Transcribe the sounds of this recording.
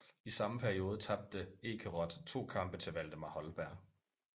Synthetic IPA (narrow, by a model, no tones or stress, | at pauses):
isɑ̈məpʰæɐio̝ːð̞ˠət͡sʰɑ̈b̥̚d̥əe̝ːkʰəʁɒ̽d̥t͡sʰo̝̰ːkʰɑ̈mb̥ət͡sʰe̝ʋæl̰d̥əmɑ̈hɒ̽lb̥æɐ̰